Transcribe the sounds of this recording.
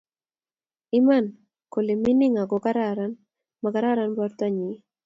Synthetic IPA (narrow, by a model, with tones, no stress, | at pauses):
ɪ˦ma˦˨n | ko˨le˨mɪ˦nɪ˦ŋa˨ɡɔ˨ka˦ɾaɾa˦n | ma˨ka˦ɾa˦ɾa˦nbɔ˦ɾt̪ɔ˦ɲi˨